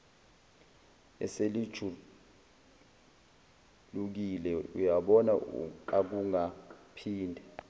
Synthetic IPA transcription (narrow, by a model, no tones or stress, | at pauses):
ɛ̰selid̥ʒ̥ʱu | luk̬ilɛṵjaɓɔnaṵǃak̬uŋapʰiːndʱɛ